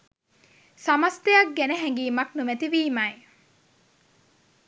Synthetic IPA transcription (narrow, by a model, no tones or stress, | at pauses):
sɐmɐst̪ejɐk̚ɡeneɦæŋɡiːmɐknumet̪iʋiːmaj